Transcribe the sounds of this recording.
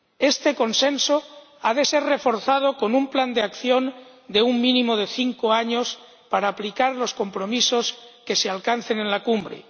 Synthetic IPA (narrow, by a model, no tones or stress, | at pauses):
e̞st̪e̞ko̞nsenso | að̞e̞seɾrefo̞ɾθað̞oko̞numpland̪eakθjo̞n | d̪e̞uŋmĩnĩmoð̞e̞θiŋkoaɲos | paɾaːplikaɾlo̞sko̞mpɾo̞misoske̞sealkan̟θenenlakumbɾḛ